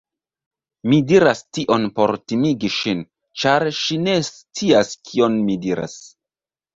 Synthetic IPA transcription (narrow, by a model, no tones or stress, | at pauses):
midiɾastiʔo̞npo̞ɾtimiɡiʃin | t͡ʃaɾʃine̞st͡siaskʰio̞nmidiɾa̰s